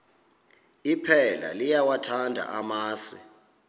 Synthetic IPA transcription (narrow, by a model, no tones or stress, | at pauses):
ipʰɛla̰lijawatʰandʱa̰ʔamaːsi